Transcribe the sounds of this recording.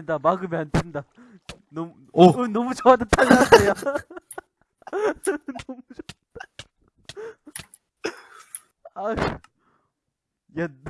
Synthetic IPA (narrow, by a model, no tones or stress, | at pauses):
ndamaɡɯmeantʰenda | nʌm | ɯnʌmut͡ɕʌwadatʰalːaneja | nʌmut͡ɕod̥ | a | jan